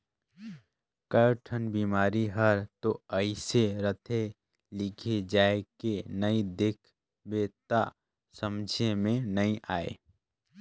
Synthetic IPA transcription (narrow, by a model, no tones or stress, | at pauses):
kəʈʰənbiːmaːɾiɦəɾt̪oəɪseɾət̪ʰe | lɪkʰed͡ʒaːekenəid̪ekʰ | beːt̪a | səmd͡ʒʱemẽnəĩʔaːḛ